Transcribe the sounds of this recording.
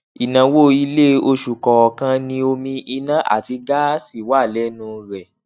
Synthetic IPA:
i˨nã˨wo˦i˦le˦o˧ʃu˨kɔ˨ɔ˨kã˧nĩ˧o˧mĩ˧ʔi˧nã˦ʔa̰˦˨ti˧ɡa˦si˦˨wa˦˨lɛ˦nũ˧˦ɾɛ˨

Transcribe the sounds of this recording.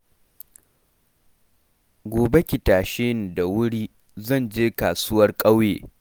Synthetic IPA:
ɡʷoː˨be˦kʲɪ˨taː˨ʃeː˦n˨da˨wʊ˦ɽiː˦ | zɐ˦˨nd͡ʒeː˦kaː˨su˦wɐ˦rkʼɐ˦wjeː˨

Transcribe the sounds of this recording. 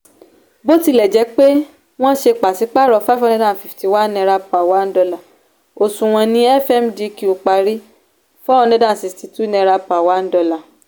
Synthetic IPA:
bo˦ti˧˦˨lɛ˨d͡ʒɛ˨˦k͡pe˦ | w̃ɔ̃˦ʃe˧k͡pa˨si˨˦k͡pa˦˨ɾɔ˨˧fa˦fɔ˦˧ɛ̃˧˦dã˦˨fi˨fti˨wa˦nɛ̃˧ɾa˧pa˨wa˨˦n̩˦dɔ˧la˨ | o˨sũ˨w̃ɔ̃˧nĩ˧ɛ˦fɛ˦˨m˨di˨˧ki˧˨u˨k͡pa˧ɾi˦ | fɔ˦ɔ˧nɛ̃˧˦dã˦˨si˨sti˨˧tu˦nɛ̃˧ɾa˧pa˨wa˨˦n̩˦dɔ˧la˨

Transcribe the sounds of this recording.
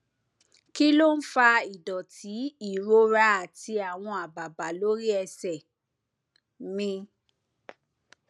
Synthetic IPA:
ki˦lo˦˨n̩˦fa˧i˨dɔ˨ti˨˦i˦˨ɾo˧˦ɾa˦a˨ti˧a˨w̃ɔ̃˧a˨ba˨ba˨lo˦ɾi˦ɛ˧sɛ˨ | mĩ˧

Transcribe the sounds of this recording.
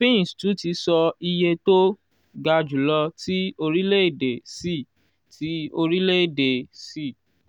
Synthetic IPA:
pẽ˦˨stu˨˦ti˧sɔ˧i˧je˧to˦ | ɡa˧d͡ʒu˨lɔ˧ti˦o˧ɾi˦le˦i˦˨de˨si˦˨ | tʰi˨˦o˧ɾi˦le˦˨de˨si˦˨

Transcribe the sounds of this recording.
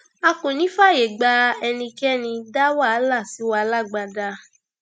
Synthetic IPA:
a˧kũ˨nĩ˨˦fa˦˨je˨ɡ͡ba˧˦ɛ˧nĩ˧kɛ˦nĩ˧da˦wa˦˨a˨˦la˦˨si˨˦wa˧˦la˦˨ɡ͡ba˧da˧

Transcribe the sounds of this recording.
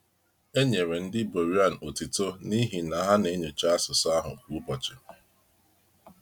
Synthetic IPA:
e˦ɲe˨ɾe˨n̩˦dɪ˦bo˨ɾi˦a˦˨n̩˨o˨ti˨to˦ni˦ɦi˨na˨˦ɦa˦ne˨˦ɲe˨t͡ʃa˦a˦sʊ˨sa˦ɦʊ̰˨ku˨˦bɔ˨t͡ʃɪ˦

